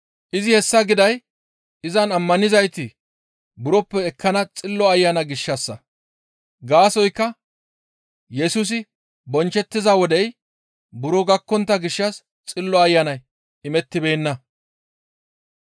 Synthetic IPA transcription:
ʔɪzɪhɛsːɐɡɪd̪ɐj | ɪzɐnɐmːɐnɪzɐjt̪ɪ | bʊɾɔpːɛːkʰːɐnɐt͡sʼɪlːɔɐjːɐnɐɡɪʃːɐsːɐ | ɡaːsɔjkːɐ | jɛsuːs̬ɪ | bɔnt͡ʃɛt̪ːɪzɐwɔd̪ɛj | bʊɾɔɡɐkːɔnt̪ːɐɡɪʃːɐs | t͡sʼɪlːɔɐjːɐnɐj | ɪmɛt̪ːɪbe̞ːnːɐ

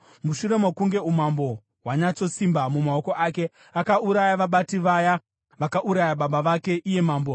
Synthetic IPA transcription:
muʃuɾe̞mokuŋɡe̞umambo̞ | ɦwaɲat͡so̞simbamumao̞ko̞ʔake̞ | akauɾajaʋaɓatiʋaja | ʋakaʔuɾajaɓaɓaʋake̞ʔije̞maːmbo

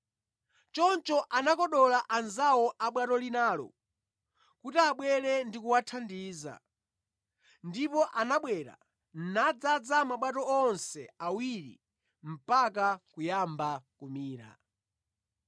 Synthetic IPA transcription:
t͡ʃɔnt͡ʃɔʔanakɔɗɔlaʔanzawɔʔaɓwatɔlinaːlɔ̰ | kutiaɓwɛɾɛndikuwatʰandiːza̰ | ndipɔʔanaɓwɛɾa̰ | n̩nad͡zad͡zamaɓwatɔɔnsɛawiɾḭ | m̩pak̬akujambakumiːɾa̰

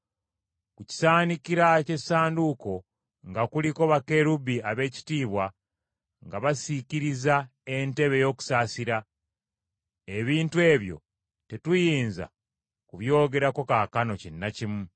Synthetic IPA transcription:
kuci̥saːnikiɾace̞saːnduko̞ | ŋɡakuliko̞βake̞ɾubiaβe̞ːci̥tiːβwa | ŋɡaβasiciɾizae̞nte̞βe̞jo̞ːku̥saːsiɾa | eβiːntue̞ːβjo̞̰ | te̞tujiːnza̰ | kuβjo̞ːɡe̞ɾako̞kakano̞cinːacimu

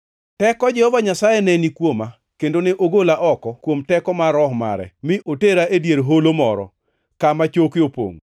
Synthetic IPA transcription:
tɛkɔd͡ʒɛhɔvaɲasajɛnɛnikwoma | kendoneʔoɡolaʔɔkɔkwomtɛkɔmaɾɔhma̰ɾɛ̰mɪʔoteɾaedjeɾɦolomɔɾɔ̰ | kamat͡ʃokɪopo̰ŋ

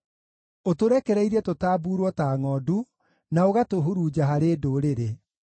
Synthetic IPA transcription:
otoɾɛkɛɾɛiɾɛtotaːbuːɾwɔtaːŋɔdu | naoɣatoɦuɾuːd͡ʑaɦaɾeːdoɾeɾe

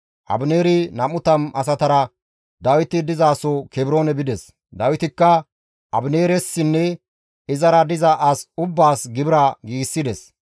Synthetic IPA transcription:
ʔɐ̰bɪneːɾɪnɐmʊt̪ɐmʔɐs̬ɐt̪ɐɾɐ | d̪ɐwɪt̪ɪd̪ɪzaːsɔkɛbɪɾo̞ːnɛbɪd̪ɛs | d̪ɐwɪt̪ɪkːɐ | ʔɐbɪne̞ːɾɛsːɪnːɛ | ɪzɐɾɐd̪ɪzɐʔɐsʊbːaːsɡɪbɪɾɐɡiːɡsːɪd̪ɛs

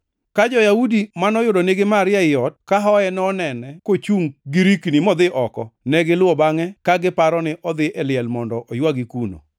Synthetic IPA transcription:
kad͡ʒɔjaudimanɔjʊdɔneɡɪmaɾɪajɔt̚kaɦɔɛnɔnɛnɛkot͡ʃuŋɡɪɾiknimɔd̪ɪʔɔkɔnɛɡɪlʊwɔbaŋɛkaɡɪpaɾɔnɪʔɔd̪ɪʔɛlɪɛlmɔndɔʔɔjwaɡikuno̰

